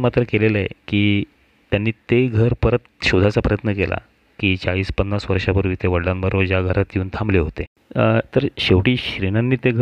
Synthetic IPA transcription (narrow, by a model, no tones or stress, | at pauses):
mat̪ɾəkeleləekiː | t̪janːiːt̪eɡʱəɾpəɾət̪ɕod̪ʱat͡sapɾəjət̪nəkelʔa̰ | kiːt͡saʋiːspənːasʋəɾʂapuɾʋiːt̪eʋəɽlambəɾəd͡ʑjaɡʱəɾat̪jiuːnt̪ʰãmbleɦot̪e | t̪əɾɕeʋʈiːɕɾiñanːiːt̪eɡʱ